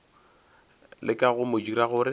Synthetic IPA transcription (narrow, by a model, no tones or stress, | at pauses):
lɪkʼaɣʊmʊd͡ʒiɾaɣʊɾɪ